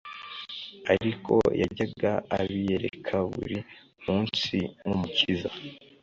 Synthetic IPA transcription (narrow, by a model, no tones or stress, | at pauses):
aɾikʰo̞̰jaɟaɡaːβije̞ɾe̞kʰaβṵɾi | muːnsiŋumuciza